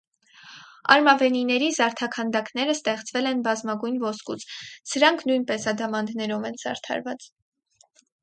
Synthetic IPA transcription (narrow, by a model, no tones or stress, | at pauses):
ɑ̰ɾmɑvɛninɛɾizɑɾt̪ʰɑkʰɑnd̪ɑkn̪ɛɾəst̪ɛχt͡svɛlɛnbɑzmɑɡujnvɔskut͡sʰsəɾɑŋkʰnujnpɛsɑd̪ɑmɑnd̪nɛɾɔvɛnz̥ɑ̰ɾt̪ʰɑ̰ɾvɑt͡s